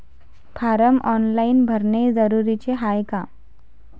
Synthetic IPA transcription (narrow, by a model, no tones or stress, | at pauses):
pʰaɾəmɔnlainbʱəɾned͡zəɾuɾit͡ɕeɦajka